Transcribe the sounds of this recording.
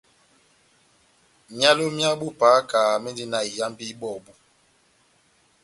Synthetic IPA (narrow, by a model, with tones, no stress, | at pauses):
mja˦lo˦mja˦ɓu˦paː˨˦kaː˨mi˦ndi˦na˨i˨ja˦m˦bi˦ɓɔ˨bu˦